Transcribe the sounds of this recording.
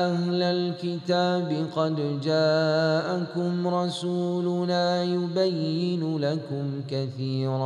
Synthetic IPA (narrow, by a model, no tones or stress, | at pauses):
ʔahlalkɪt̪aːbɪqɑd̪d͡ʒaːʔakʊmɾˤɑsuːlʊnaːjʊbajːɪnʊlakʊmkaθiːɾɑː